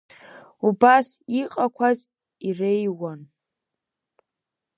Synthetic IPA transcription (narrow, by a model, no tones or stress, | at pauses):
ubasiqʼakʷʰaz | irejwan